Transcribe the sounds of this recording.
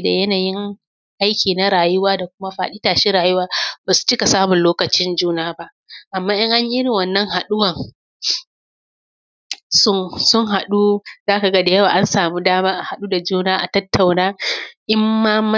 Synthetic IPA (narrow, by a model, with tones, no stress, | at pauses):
da̰˨jɐ˦naː˨jɪ˦ŋ | ʔa˦jkʲiː˨na˦ɾaː˨jʊ˦waː˦da˨kʷʊ˦ma˦ɸa̰ː˨ɗi˦taː˨ʃi˦ɾaː˨jʊ˦waː˦baː˨su̥˦t͡ʃɪ˦ka˨saː˦mʊ˨nloː˦kɐ˨t͡ʃɪ˦nd͡ʒuː˦naː˦ba˦ʔ | ʔa˨mːaː˦ʔɪ˦ŋʔa˦ɲʔɪ˦ɾɪ˨wɐ˨nːɐ˦ŋɦa˨ɗʊ˦wɐ˨ŋ | sʊ˦ŋsʊ˦ŋɦa˨ɗu˦zaː˦ka˨ɡɐ˦da˨jɐ˦waː˨ʔa˦nsaː˨mu˦daː˦maː˦ʔa˨ha˨ɗuː˦da˨d͡ʒuː˦naː˦ʔa̰˨tɐ˦tːa˨wnaː˦ʔɪ˦mːaː˦mɐ˦